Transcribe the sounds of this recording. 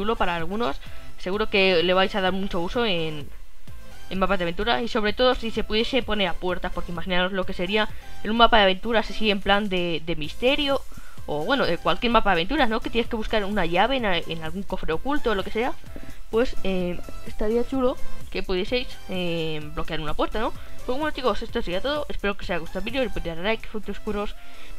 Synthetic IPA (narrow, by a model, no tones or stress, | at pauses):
t͡ʃulo̞paɾaːlɣuno̞sːe̞ɣuɾo̞ke̞le̞β̞ajsað̞aɾmut͡ʃo̞uso̞en | emapazðaβe̞nt̪uɾaiso̞βɾe̞t̪o̞ð̞o̞sise̞puðje̞se̞po̞ne̞ɾapwe̞ɾt̪aspo̞ɾkeimaxinano̞zlo̞ke̞se̞ɾiaenumːapaðaβ̞e̞nt̪uɾasisiempland̪e̞d̪e̞mist̪e̞ɾjo̞ː | βwe̞no̞ðe̞kwalkje̞ɾmapaðaβe̞nt̪uɾano̞ke̞t̪jeneske̞βuskaɾunaʝaβe̞naenalɣuŋko̞fɾeo̞kult̪oːlo̞ke̞se̞a | pwe̞seest̪aɾiat͡ʃulo̞ke̞puðje̞se̞js | eblo̞keaɾunapwe̞ɾt̪ano̞pewenot̪iɣose̞st̪oseiat̪o̞ðo̞ʔe̞spe̞ɾo̞keseajaɣust̪aβiljolepueaɾaɾajke̥fut̪oskuɾo̞s